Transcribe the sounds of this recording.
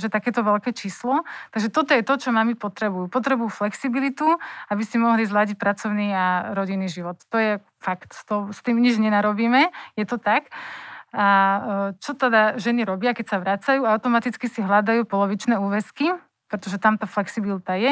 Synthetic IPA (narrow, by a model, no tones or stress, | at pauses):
ʒɛt̪akɛːt̪ɔʋɛlkɛːt͡ʃiːslɔt̪aɡʒɛt̪ɔt̪ɔjɛt̪ɔt͡ʃɔmamipɔt̪ɾɛbujuːpɔt̪ɾɛbujuːflɛksibilit̪uabisimɔɦlizlaɟic̚pɾat͡sɔʊniaɾɔɟinːiʒiʋɔt̪ːɔjɛ | fakt̪t̪ɔst̪iːmɲid͡ʒɲɛnaɾɔbiːmɛjɛt̪ɔt̪ak | at͡ʃɔt̪ɛd̪aʒɛniɾɔbɪakɛcsaʋɾaːt͡sajuːaaʊt̪ɔmat̪it͡skisiɦlad̪ajuːpɔlɔʋit͡ʃnɛːuːʋɛski | pɾɛt̪ɔʒɛt̪amt̪aːflɛksibilit̪ajɛ